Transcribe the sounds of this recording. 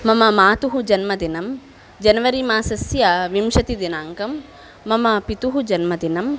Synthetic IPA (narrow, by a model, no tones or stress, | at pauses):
mɐmɐmaːt̪uɦud͡ʒɐnmɐd̪inɐm | d͡ʒɐnɐʋɐɾimaːsɐsjaʋimʃɐt̪id̪inaːŋkɐmː | ɐmɐpit̪uɦud͡ʒɐnmɐd̪inɐm